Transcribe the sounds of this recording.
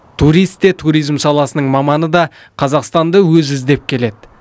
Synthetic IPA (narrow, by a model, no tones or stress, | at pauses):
t̪ʰuɾijst̪ːe̞t̪ʰuɾijzmsɑlˠɑsənəɴmɑmɑnəd̪ɑ | qʰɑzɑqst̪ɑnd̪əwɵzɪzd̪e̞p̚kʲʰe̞le̞d̪ɪ